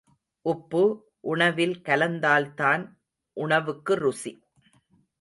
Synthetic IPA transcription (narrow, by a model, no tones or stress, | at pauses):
ʔʊpːɯ | ʔʊɳɐʋɪlkɐlɐnd̪aːlt̪aːn | ʔʊɳɐʋɯkːɯɾʊsi